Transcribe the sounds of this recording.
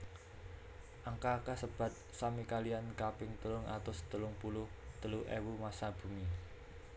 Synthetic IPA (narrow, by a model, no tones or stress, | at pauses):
ʔaŋkakasəb̥ä̤t̪̚samikaliankapɪŋt̪əlʊŋʔa̰t̪ʊst̪əlʊŋpulʊhd̪̥əluʔewumasab̥ṳmi